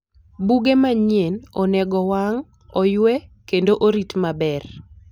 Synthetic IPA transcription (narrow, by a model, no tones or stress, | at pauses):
buɡemaɲjenɔnɛɡɔwaŋ | ɔjwɛkendoʔoɾitmabɛr